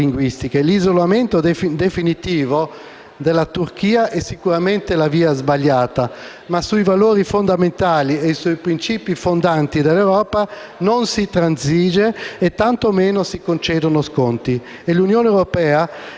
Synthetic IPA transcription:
iŋɡwist̪ikelizolament̪od̪fd̪efinit̪iːvo | d̪elat̪uɾkiːaʔɛsːikuɾament̪elaviːazbaʎːaːt̪a | masuivaloːɾifond̪ament̪aːlieisuipɾint͡ʃiːpifond̪ant̪id̪elːewɾɔːpa | nonsit̪ɾanziːd͡ʒeːt̪ːant̪omeːnosikont͡ʃɛːd̪onoskont̪i | elunjoːneewɾopɛːa

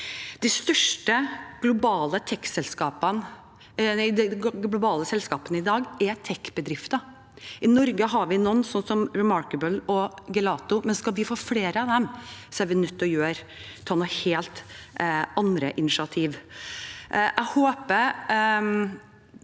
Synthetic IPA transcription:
d̪̥ɛst̪œʂʈəɡ̥lʊbɑːlət̪ʰɛkːsɛlskɑːpən | d̪ɛɡlʊbɑːləsɛlskɑːpənəɪd̪ɑːɡɛt̪ʰɛkːbəd̪ɾɪft̪ɑ | ɪnɔɾɡəɦɑɾʋɪnɔnːsɔnsɔmɹɪmɑɾkəbəlɔɡɛlɑːt̪ʊmɛnskɑlʋɪfoːfleːɾəɑʋd̪ɛmsɔæɾʋɪnʉt̪ːɔjøːɾ | t̪ʰɑːnʊheːlt̪ | ɑnd̪ɾəʔɪnɪʂɑt̪ʰiːʋ | ʔʔæɪhoːpəɾ

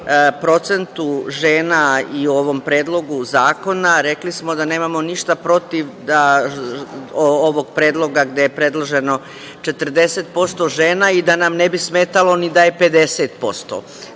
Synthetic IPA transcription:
pɾo̞t̪se̞nt̪uʒe̞ːnaiuo̞ʋo̞mpɾe̞ːd̪lˠo̞ɡuzaːko̞naɾe̞klismo̞d̪aneːmamo̞niʃt̪apɾo̞t̪iʋd̪a | ooʋo̞ɡ̚pɾeːd̪lˠo̞ɡaɡd̪ejepɾe̞d̪lˠoʒe̞no̞ | t͡ʃe̞t̪r̩d̪e̞set̪̚po̞st̪o̞ʒe̞ːnaid̪anamne̞bisme̞ːt̪alo̞nid̪aje̞pe̞d̪e̞set̪̚po̞st̪o̰

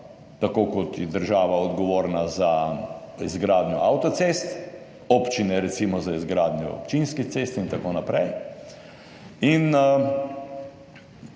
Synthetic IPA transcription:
t̪akoːkɔt̪jɛd̪əɾʒaːʋaɔd̪ɡɔʋoːɾnaza | izɡɾaːd̪nʲɔʔawt̪ɔt̪sest̪ | opt͡ʃinɛɾɛsimɔzaizɡɾaːd̪njɔ̰ɔ̰pt͡ʃinskit̪sest̪int̪akonapɾɛj | in

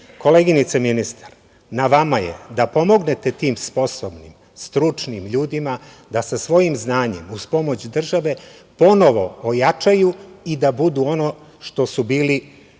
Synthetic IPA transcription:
ko̞leɡinit̪seminist̪ḁɾ | naʋamajḛd̪apo̞mo̞ɡne̞t̪e̞t̪iːmspo̞sobnḭm | st̪ɾut͡ʂnimʎuːd̪ima | d̪asasʋo̞jimznaːɲe̞̰muspo̞mo̞t͡ɕd̪r̩ʒaʋe̞po̞no̞ʋo̞ojat͡ʃajuid̪abud̪uo̞no | ʃt̪o̞subiːli

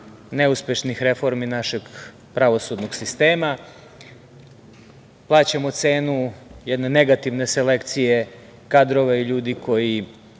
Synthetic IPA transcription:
ne̞uspʲje̞ʃnixɾefo̞ɾminaʃe̞ɡ | pɾaʋo̞sud̪noɡsist̪e̞ːma | plˠaːt͡ɕamot̪se̞ːnujed̪ne̞neɡat̪iʋne̞se̞le̞kt̪sije̞ | kad̪ɾoʋeiʎuːd̪iko̞ji

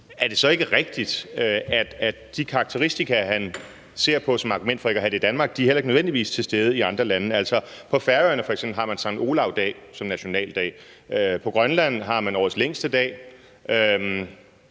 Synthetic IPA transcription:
æɐd̥e̝sɒ̽e̝ɡ̥əʁeɡ̥d̥id̥øæd̥æ̥ | d̥ikʰɑ̈ɑ̈ɡ̥̚t͡sʰeʁisd̥ikʰæɦæn | se̝ɐ̰pʰɒ̽sɒ̽mɑ̈ɡ̥umen̰d̥fɒ̽e̝ɡ̥ɒɦæd̥e̝id̥ænmɑ̈ːɡ̥̚d̥iæɐhel̰ɐeɡ̥nøʋend̥iʋḭːst͡sʰe̝sd̥eːð̞̩ˠəiɑ̈nd̥ʁɐlænəæl̰sɒ̽pʰɒ̽fæɐøːɐnəfɒ̽eɡ̥semb̥lhɑ̈mænsɑ̈ŋo̝ːlɑ̈ʊd̥ɛ̰ːsɒ̽mnæɕo̝nɛ̰ːld̥ɛ̰ː | øpʰɒ̽ɡ̥ʁɶnlæn̰ɦɑ̈mænɒ̰ːð̩ˠsleŋ̰sd̥əd̥ɛ̰ː | ʔøm

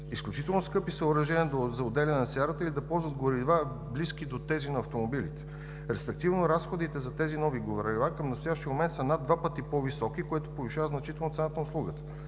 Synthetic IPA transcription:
isklʲut͡ʃit̪ɛlˠnoskɤpisəʊɾɐʒɛnʲiəd̪ozɐod̪ɛlʲɛnɛnɐsʲaɾət̪əilʲid̪ɐpɔlˠzvəd̪ɡoɾiva | blisk̟id̪ot̪ɛzinɐːft̪omobilit̪ɛ̥ | ɾɛspɛk̚t̪ivnoɾasxod̪it̪ɛzɐt̪ɛzinɔviɡovɾɾʲivakəmnɐst̪ojaʃt̪iəmomɛnt̪sɐnad̪vapət̪ipɔvisɔkikoɛt̪o̥poviʃavəznɐt͡ʃit̪ɛlˠnot̪sɛnat̪ənəʊslˠuɡət̪ə̥

